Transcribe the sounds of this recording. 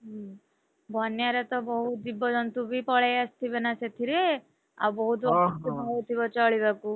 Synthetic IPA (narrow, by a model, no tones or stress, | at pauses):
ɦ | bʱɔnjaɾet̪ɔbɔɦut̪̚d̪ibːɔd͡ʒɔnt̪ubʱipɔɭɛjast̪ʰibenaset̪ʰiɾe | a̰wbɔɦut̪bɔkunɦt̪ʰibɔt͡ʃɔɭibaku